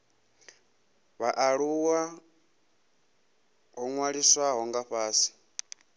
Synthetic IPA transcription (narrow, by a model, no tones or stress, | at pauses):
βaʔaɺuwa | ɦɔŋwaɺiswaɦɔŋɡaɸaːsi̥